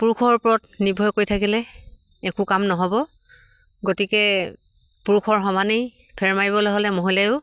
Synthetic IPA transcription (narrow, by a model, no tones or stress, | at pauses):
puɹukʰɔɹpʊɹɔtnibʱɔjkoɹjtʰakilɛ | ɛkukamnɔɦɔbɔ | ɡotikɛ | puɹkʰɔɹxɔmanej | pʰɛɹmajbɔlojɦolɛmoɦilajʊ